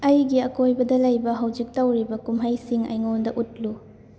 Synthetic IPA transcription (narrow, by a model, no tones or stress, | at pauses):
ɐjɡiɐkojbɐdɐlɐjbɐɦɐwd͡ʒik̚tɐwɾibɐkumɦɐjsiŋɐ̰jŋondɐʔut̚lu